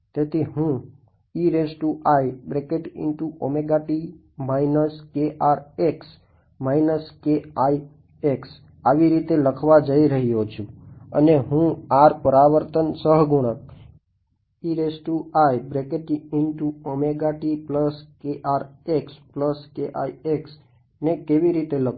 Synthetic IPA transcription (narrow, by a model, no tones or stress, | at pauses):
t̪et̪ʰiɦũ | iɾesʈuʔajbɾekeʈɪ̰ɳʈuʔomeɡaʈi | mainəskeʔaɾeks | mainəskeai | eks | aʋiɾit̪eləkʰʋad͡ʒəiɾəɦijot͡ʃʰũə̰neɦũaɾpəɾaʋəɾt̪ənsəɦɡuɽ̃ək̚ | iɾesʈuajbɾekeʈiɪnʈuomeɡaʈipləskeʔaɾekspləskeʔa̰ieks | nekeʋiɾit̪elək